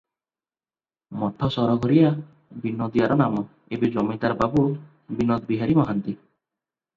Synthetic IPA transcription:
mɔʈʰɔsɔɾɔɡʱɔɾija | binod̪iaɾɔnamɔ | ebed͡ʒɔmit̪aɾɔbabu | binɔd̪biɦaɾimɔɦant̪i

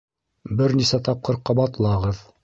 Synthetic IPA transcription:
bɘɾnisæt̪ɑp̚qɤ̆ɾqɑbɑt̪ɤ̆lˠɑʁɤð

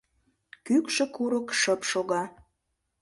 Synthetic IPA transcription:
kykʃə̆kuɾokʃəpʃoɣɑ

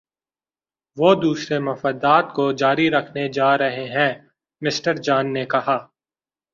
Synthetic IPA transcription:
ʋoːd̪uːsɾemɐfəd̪aːt̪kod͡ʒaːɾiɾɐkʰned͡ʒaːɾɐɦeɦɛ̃ | mɪsʈəɾd͡ʒaːnːekɐɦaː

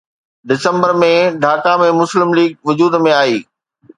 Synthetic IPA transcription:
ɖɪsə̃mbəɾmẽɖʱaːkamẽmʊslɪmliːɡ̚ʋʊd͡ʑuːd̪mẽaːiː

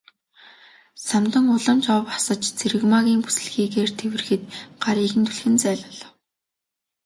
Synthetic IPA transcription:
samt̪ə̆ŋʊɮə̆mt͡ɕɔwpḁsə̆t͡ɕt͡sʰeɾɘ̆ɣmaɣʲiːŋpu̥sɘ̆ɮxiːɣeːrt̪ʰewɘ̆rxɘ̆t̪̚ɢ̥aɾiːxɘ̆nt̪ʰuɮxɘ̆nt͡sæːɮə̆ɮ̆w

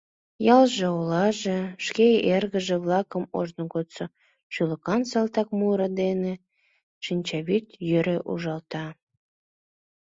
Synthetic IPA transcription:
jɑlʒeolɑʒeʃkeerɣə̆ʒĕβlɑkəmoʒnoɣot̪so | ʃyləkɑnsɑlt̪ɑk̚muɾəd̪ene | ʃinʲt͡ɕɑβyt̪jøɾeʔṵʒɑlt̪ɑ

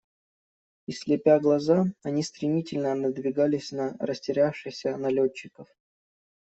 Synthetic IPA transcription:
ɪsʲlʲɪpʲaɡlˠɐzaɐnʲist̪ɾʲɪmʲitʲɪlʲnənəd̪vʲɪɡalʲɪsʲnəɾəsʲtʲɪɾʲafʂɨjsʲənɐlʲot͡ɕːɪkəf

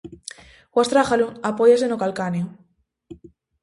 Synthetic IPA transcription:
ɡwast̪ɾaxaluŋapojas̬enokalkanjo

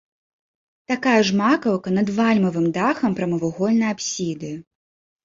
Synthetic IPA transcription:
t̪akajɐʐmakɐwkɐnɐd̪valʲmɐvɨmd̪axɐmpɾɐmɐvuɣɔlʲnɐjapsʲid̪ɨ

